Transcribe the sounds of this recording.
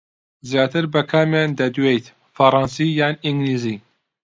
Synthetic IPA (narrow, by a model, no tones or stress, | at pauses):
zjaːt̪ʰɨɾbɐkʰaːmjaːnd̪ɐd̪wejt̪ | fɐɾˤɑnsijaːniŋɡliːziː